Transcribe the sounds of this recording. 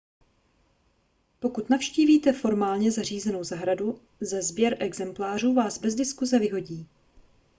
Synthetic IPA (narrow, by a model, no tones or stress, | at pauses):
po̞kut̪nafʃciːviːt̪ɛfo̞ɾmaːlɲɛzariːzɛno̞wzaɦɾadu | zɛzbjɛɾʔɛɡzɛmplaːr̝uːvaːzbɛzdɪskuzɛvɪɦo̞ɟiː